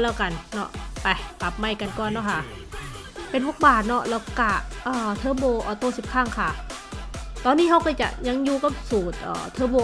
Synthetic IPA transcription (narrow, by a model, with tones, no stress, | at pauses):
lɛː˧˩wka˧˨nːɔ̰˧˩ʔpa˧˩pa˨˩p̚ma˧˩jka˧nkɔː˧˨nːɔ˧˥˩kʰa˧˥˩ʔ | pe˧nbo˧˥k̚baː˨˩t̪̚nɔ˧˩ʔlɛː˧˩wka˧˩ʔɔː˧˩t̪ʰɤː˧˥boː˧ʔɔː˨˧˩t̪oː˧˩˨si˨˩p̚kʰaː˧˥˩ŋkʰa˧˩ | t̪ɔː˧nːiː˦˥ha˧˩wkɔː˧˩t͡ɕa̰˨˩ʔɲa˧˥˨ŋjuː˧ka˧˥˩psuː˨˩t̪̚ʔɤ̰ː˨˩t̪ʰɤː˧˥˩boː˧